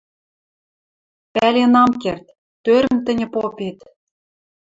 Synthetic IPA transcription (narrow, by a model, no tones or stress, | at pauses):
pælʲenɑmkert̪ | t̪øɾə̆mt̪ə̆nʲə̆popet̪